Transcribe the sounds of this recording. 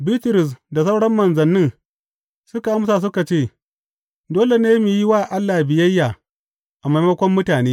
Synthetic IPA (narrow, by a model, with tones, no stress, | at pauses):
bi˦tɪ˨ɾɪ˨s̬da˨sɐ˦wɽɐ˦mːɐ˨nzɐ˨nːɪ˦ŋ | sʊ˦ka˨ʔa˦msaː˨s̬ʊ˦ka˨t͡ʃeː˦˨ | doː˦le˨neː˦mi˨ji˦waː˦˨ʔa˦lːa˨bɪ˨jɐ˦jːaː˨ | ʔa˨ma˦jmɐ˦kʷɔ˦mːʊ˦taː˨neː˦